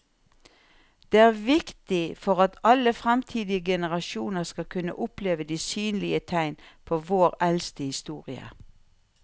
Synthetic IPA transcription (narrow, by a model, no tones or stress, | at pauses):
d̪̥eːæːʁʋɪkt̪ɪfɔʁɑt̪ʰɑləfʁɛmt̪ʰiːd̪ɪəɡɛnəʁɑʃuːnəʁskɑkʰʉnə̰ʔʊpleːʋəd̪iːsyːnlɪət̪ʰæɪnpʰoːʋoːʁɛlst̪əhɪst̪uːʁɪə̰